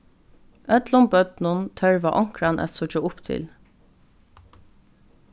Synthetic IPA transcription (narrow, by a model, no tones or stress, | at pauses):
œt̪lʊmbœd̪nʊnt̪ʰœɹʋaʔɔŋ̥kɾanʔæ̰t̪sʊt͡ʃaʊpt̪ʰɪ̰l